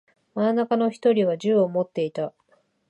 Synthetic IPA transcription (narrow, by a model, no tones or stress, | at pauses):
manːakano̞çi̥t̪o̞ɾʲiβ̞aʑɨːomo̞t̪ːe̞it̪a